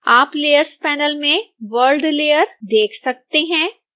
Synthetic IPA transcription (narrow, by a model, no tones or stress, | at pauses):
aːpleːjəɾspɛːnəlmẽʋəlɖleːjəɾd̪eːkʰsɐk̚t̪eɦɛ̃ː